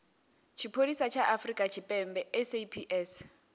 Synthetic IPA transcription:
t͡ʃʰipʰodisat͡ʃʰaʔafrikʼat͡ʃʰipʼɛmbɛɛsepʰiʔɛs

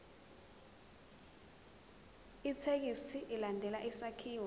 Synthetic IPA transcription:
itʰek̬isiʔilandʱɛlaʔisakʰiːwa

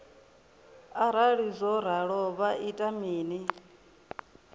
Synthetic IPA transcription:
aɾ̤aɺizʷɔɾ̤aɺɔβaʔitʼamiːni

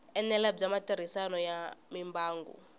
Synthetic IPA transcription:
ɛnɛlabd͡zamatʼiɾ̤isanɔjamimbʱaːŋɡṵ

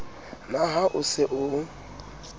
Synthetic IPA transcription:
naɦaʔʊsɪʔʊ

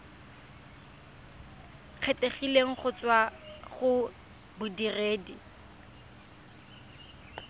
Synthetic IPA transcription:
k͡xʰetʼeχileŋ̩χʊt͡swaχʊ | bʊdireːdi

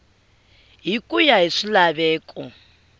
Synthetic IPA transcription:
ɦikʼujaɦiʂilaβɛːkʼɔ

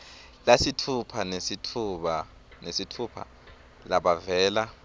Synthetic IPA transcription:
lasitʰupʰanesitʰuɓa | nesitʰuːpʰa̰ | laɓavɛːla

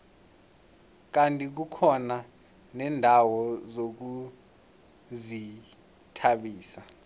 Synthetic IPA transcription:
k̬antʼik̬ukʰɔna | nɛːndʱawɔzok̬u | zi | tʰaɓiːsa

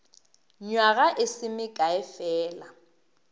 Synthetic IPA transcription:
ɲwaɣaʔɪsɪmɪkʼaɛfɛːla

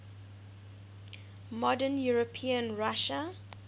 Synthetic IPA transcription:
mɔdənjuɹəpʰiə̃nɹaʃə

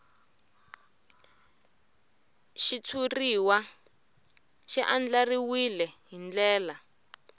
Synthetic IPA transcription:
ʃit͡sʰuriwa | ʃɛʔand͡ɮariwilɛɦind͡ɮɛːla

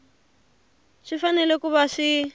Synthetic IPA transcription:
ʂifanɛlɛkuβaʂi

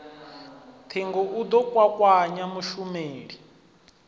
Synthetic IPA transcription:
t̪ʰeŋɡɔʔud̪ɔkʼwakʼwaɲamuʃumeːɺi

